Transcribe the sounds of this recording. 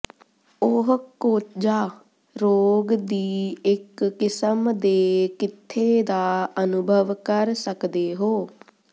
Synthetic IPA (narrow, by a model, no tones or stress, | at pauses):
ʊɦkoːd͡ʒaː | ɾoːɡd̪iːɪkːɪsəmd̪eːkɪt̪ʰːeːd̪aːənʊbʱəʋkəɾsəkd̪eːɦoː